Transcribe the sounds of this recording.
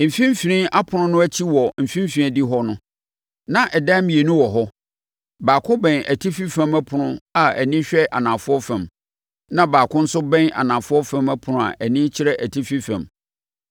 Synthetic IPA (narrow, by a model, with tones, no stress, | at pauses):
m̩˨fĩ˦m̩˦fi˨ɾĩ˦a˦pʰʊ˨nʊ̃˦nʊ̃˦æ˦t͡ɕʰi˦wɔ˨m̩˨fĩ˦m̩˦fĩ˨˦di˦ɦɔ˦nʊ̃˦ | nã˦ʔɛ˨da˦mĩ˨e˨nʊ̃˦wɔ˨ɦɔ˦ | baː˨kʰʊ̃˦bɛ̃˨næ˨tʰi˦fi˦fæ̃˦mæ˦pʰʊ˨nʊ̃˦a˨æ̰˨nĩ˦ɕᶣɛ˦ʔa̰˨nã˨fʊ˦ɔ˦fã˨m | nã˦baː˨kʰʊ̃˦n̩˦sʊ˦bɛ̃˦na̰˨nã˨fʊ˦ɔ˦fã˦mæ˦pʰʊ˨nʊ̃˨a̰˨ʔæ˨nĩ˦t͡ɕʰɪ˦ɾɛ˦ʔæ˨tʰi˦fi˦fæ̰̃˨m